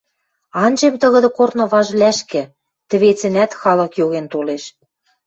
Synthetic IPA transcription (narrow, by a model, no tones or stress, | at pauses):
ɑnd͡ʑemt̪ɤ̆ɣɤ̆d̪ɤ̆kornɤ̆βɑʒlæʃkɘ̆ | t̪ɘ̆βet͡sɘ̆næt̪xɑlɤ̆kjoɣent̪oleʃ